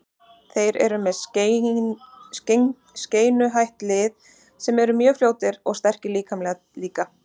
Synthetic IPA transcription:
θejɾɛ̰ɾʏmɛð | sceːjnʏɦajht̪lɪð | sɛmɛɾʏmjœːfljoːwt̪ɪɾɔɣst̪ɛr̥cɪliːkamlɛ | liːka

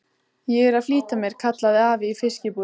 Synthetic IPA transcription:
jɛɣɛɾaðfliːt̪amjɛɾ̥kʰat̪laðɪaːvɪifɪscɪpuː

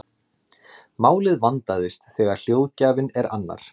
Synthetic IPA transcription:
maːwlɪðvant̪aðɪst̪θɛːɣaɾ̥l̥jowðcaːvɪnɛɾanːa̰ɾ̥

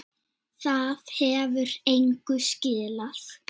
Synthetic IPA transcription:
θaðhɛːvʏɾejŋkʏscɪːlaθ

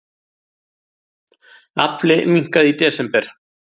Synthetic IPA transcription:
aplɪmiŋ̥kaðit̪ɛːsɛmpɛɾ̥

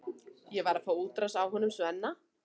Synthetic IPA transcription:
jɛvaɾafaːwuːt̪ɾasawɦɔnʏmsvɛɛnːa

